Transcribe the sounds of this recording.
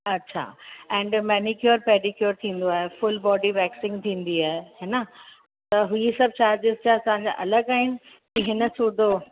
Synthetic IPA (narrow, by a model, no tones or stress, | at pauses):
ɐtːɕʰa̰ːɛ̃ːɳɖmɛːnikjoɾpeːʈikjoɾt̪ʰĩːn̆d̪oaːɦefʊlbɔːɖibɛːksɪ̃ŋɡt̪ʰĩːn̆d̪iaːɦeɦeːnɐ | t̪ɐɦuesɐb̚ʱt͡ɕaːɾd͡ʑɪzt͡ɕaɐsɐããɲ̆d͡ʑa̰ʔɐləɡaːɦɪnɪ̆ | kiɦɪnə̆suːd̪ʱo